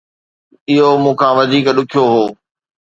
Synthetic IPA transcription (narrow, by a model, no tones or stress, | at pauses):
ɪɦomũːkʰãːʋɐd͡ʑʱiːkɗʊkʰijoɦoː